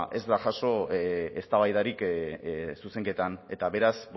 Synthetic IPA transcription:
ʔezd̪aʝaso̞est̪aβajðaɾik | suse̞ŋke̞t̪ane̞t̪aβe̞ɾasb

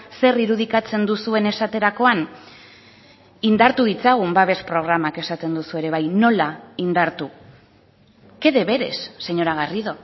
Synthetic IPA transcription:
se̞riɾuð̞ikat͡se̞nd̪usue̞ne̞sat̪e̞ɾako̞an | ind̪aɾt̪uðit͡saɣ̞umbaβe̞spɾo̞ɣ̞ɾamake̞sat̪e̞nd̪usue̞ɾe̞βajno̞laind̪aɾt̪u | ke̞ðe̞βe̞ɾe̞̰sːe̞ɲo̞ɾaɣ̞ariðo̞

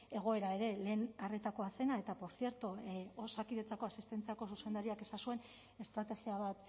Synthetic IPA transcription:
e̞ɣ̞o̞e̞ɾae̞ɾe̞le̞ːnare̞t̪ako̞ase̞nae̞t̪apo̞ɾsie̞ɾt̪oosakiðe̞t͡sako̞asist̪e̞nt͡siako̞suse̞nd̪aɾiake̞sasue̞n | e̞st̪ɾat̪e̞ɣiaβ̞at̪

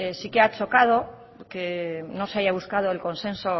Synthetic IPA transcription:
esikeat͡ʃo̞kað̞o̞ | keno̞se̞aʝaβ̞uskað̞oelko̞nsẽ̞nso

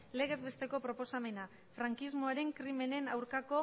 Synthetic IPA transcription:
le̞ɣ̞e̞zβe̞st̪e̞ko̞pɾo̞po̞same̞na | fɾaŋkizmo̞aɾe̞ŋkɾime̞ne̞nawɾkako̞

